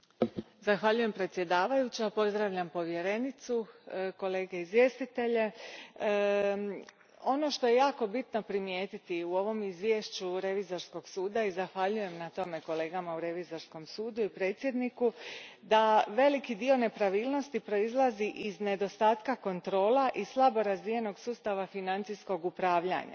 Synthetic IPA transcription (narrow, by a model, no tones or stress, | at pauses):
zaxʋaʎuje̞mpɾe̞t̪sje̞d̪aːʋajut͡ɕapo̞zd̪ɾaʋʎampo̞ʋje̞ɾe̞nit̪suko̞le̞ːɡe̞izʋje̞ːst̪it̪e̞ʎe̞ | o̞no̞ʃt̪o̞je̞jaːko̞bit̪no̞pɾimjeːt̪it̪iuo̞ʋo̞mizʋje̞ʃt͡ɕuɾe̞ʋizo̞ɾsko̞ɡ̥suːd̪aizaxʋaʎuje̞mnat̪o̞me̞ko̞le̞ːɡamauɾe̞ʋizo̞ɾsko̞msuːd̪uipɾe̞ːt̪sʲje̞d̪nikud̪aʋe̞likid̪io̞nepɾaʋiːlˠno̞st̪ipɾo̞izlˠaziʔizne̞d̪o̞st̪aːt̪kako̞nt̪ɾo̞ːlˠaʔislˠabo̞ɾazʋije̞no̞ɡsuːst̪aʋafinant̪sijsko̞ɡupɾaːʋʎa̰ɲa̰